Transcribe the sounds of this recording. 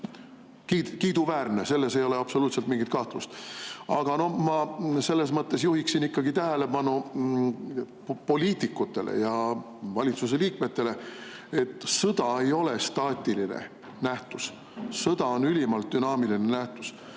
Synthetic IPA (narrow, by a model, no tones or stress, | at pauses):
kidkiːd̪̥uvæːrne̞se̞lːe̞se̞jo̞le̞ɑpso̞luːt̪se̞lt̪miŋɡit̪̚kɑht̪lust̪ɑɡ̥ɑno̞hmɑse̞lːe̞s̬mɤt̪ːe̞sjuhiksinikːɑɡ̥it̪æɦæle̞pɑnu | po̞lʲiːt̪ikːˑut̪ːe̞̰lʔḛjɑ | vɑlʲit̪sus̬e̞liːk̚me̞t̪ːe̞le̞e̞t̪ːˑsɤd̪̥ɑe̞jo̞le̞st̪ɑːt̪ʲˑilinḛ | næht̪us | sɤd̪ɑo̞nylʲimɑlt̪̚d̪̥ynɑːmilinenæht̪us